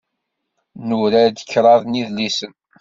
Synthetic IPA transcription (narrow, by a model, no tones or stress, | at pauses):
nuɾæd̪ə̥çɾˤɑðˤniðlisən